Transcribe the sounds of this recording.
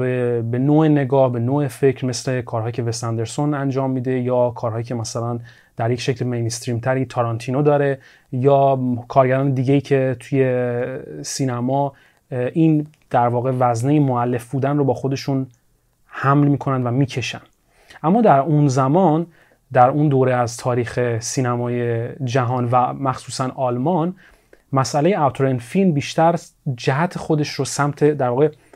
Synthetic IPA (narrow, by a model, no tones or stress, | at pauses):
bebe̞noːene̞ɡɒːhbe̞noːefe̞cɾme̞sle̞kʰɒːɾhɒːjicʰe̞vest̪ænd̪e̞ɾso̞nænd͡ʒɒːmːiːd̪e̞jɒːkʰɒːɾɦɒːjiːcʰe̞mæsælæn | d̪̥æɾje̞cʃe̞clmejnst̪ɾiːmt̪ʰæɾiːt̪ʰɒːɾɒnt̪ʰiːnod̪ɒːɾe̞ | jɒːkʰɒːɾɟæɾɒːne̞d̪iːɟejiːcʰe̞t̪ʰuje̞ | siːnæmɒː | ʔiːn | d̪̥æɾvɒːɣe̞væznejemoælːe̞fbuːd̪ænrobɒːxo̞d̪e̞ʃun | hæmlmiːkʰo̞nænd̪væmiːcʰe̞ʃæ̰nd̪̥ | ʔæmːɒːd̪æɾunzæmɒn | d̪æɾund̪oːɾeæzt̪ʰɒːɾiːxe̞siːnæmɒːjed͡ʒæɦɒnvæmæxsuːsænɒːlmɒn | mæsæle̞jeæt̪ʰɾenfilmbiːʃt̪æɾd͡ʒæɦæt̪ʰe̞xo̞d̪e̞ʃrosæmt̪ʰe̞d̪æɾvɒːɣe̞